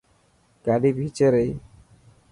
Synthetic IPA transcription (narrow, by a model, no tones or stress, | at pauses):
kaɖibʱit͡ʃeɾej